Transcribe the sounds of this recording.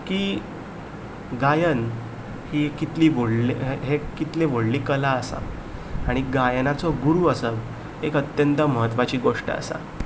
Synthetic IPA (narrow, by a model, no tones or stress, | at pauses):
kiː | ɡajən | hikit̪liːʋoɽleɦekit̪leʋoɽliːkəlaəsa̰ː | ɽ̃iɡajənat͡sɔɡuɾuːəsə | ekət̪jənt̪əməɦət̪ʋat͡ɕiːɡoʂʈə̰ə̰sa̰